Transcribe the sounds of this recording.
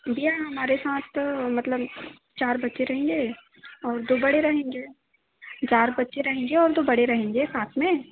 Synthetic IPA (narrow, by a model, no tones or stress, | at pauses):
bijaɦɐmaːɾesaːt̪ʰmɐt̪ləb | t͡ʃaːɾbɐtːʃeɾɐɦẽːŋɡeː | ɔːɾd̪oːbɐɽeɾɐɦẽːŋɡeː | d͡ʒaːɾbɐtːʃeɾɐɦẽːŋɡeɔːɾd̪oːbɐɽeɾɐɦẽːŋɡesaːt̪ʰmẽː